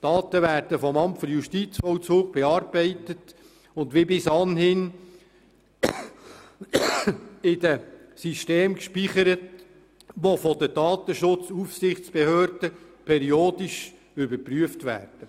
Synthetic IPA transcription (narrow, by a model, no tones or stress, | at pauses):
d̥ɑːt̪əʋæːɾd̥əfɔmɑmtfɔɾjuʃtit͡sfɔlt͡suːɡ̚b̥ɛɑːɾbɛɪtət | ʊndʋibɪsɑnhɪn | ɪd̥əsiʃteːmkʃpiχəɾət | ʋofɔd̥əd̥ɑːt̪əʃʊt͡sufsɪχt͡sb̥ehøːɾd̥əpʰɛɾioːd̥iʃ | ʏbəɾpryəftʋæ̰ːrd̥ə